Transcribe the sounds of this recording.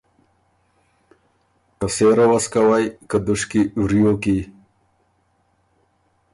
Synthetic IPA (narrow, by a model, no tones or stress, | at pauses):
kəseːɾawaskawajkəd̪uʂkiwɾijoki